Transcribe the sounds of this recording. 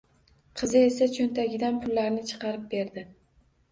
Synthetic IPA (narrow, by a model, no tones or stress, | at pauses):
qʰɨzɪe̞sat͡ʃʰont̪ʰaɡʲɪd̪anpʰʊlːaɾnɪt͡ʃʰɨ̥qɑɾɪp̚be̞ɾd̪ɪ